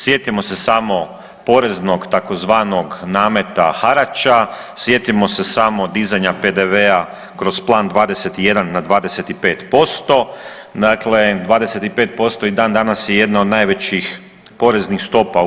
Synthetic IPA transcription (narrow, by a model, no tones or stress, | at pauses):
sje̞t̪imo̞se̞saːmo̞ | po̞ɾe̞zno̞ɡt̪ako̞zʋaːno̞ɡnaːme̞t̪axaɾat͡ʃa | sje̞t̪imo̞se̞saːmo̞d̪izaɲape̞d̪e̞ʋea | kɾo̞zplˠaːnd̪ʋaːd̪ese̞t̪ije̞d̪anːad̪ʋaːd̪e̞se̞t̪ipeːt̪po̞st̪o̞ | d̪akled̪ʋaːd̪e̞se̞t̪ipe̞ːt̪̚po̞st̪o̞id̪aːnd̪anasjeje̞d̪nao̞d̪najʋe̞t͡ɕix | po̞ɾe̞znixst̪o̞pa